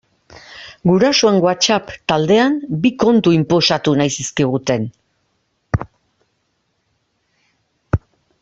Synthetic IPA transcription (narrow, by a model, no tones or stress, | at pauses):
ɡuɾasoe̞ŋɡoat͡ʃapt̪ald̪e̞ambiko̞nt̪uimpo̞sat̪unajsiskiɣ̞ut̪e̞n